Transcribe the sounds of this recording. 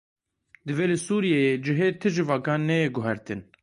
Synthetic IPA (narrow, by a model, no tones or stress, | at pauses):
d̪ɨveːlɨsuːɾijejed͡ʒɪɦeːt̪ʰɨʒɨvɑːɡɑːnːɛjeɡʊɦɛɾt̪ɨn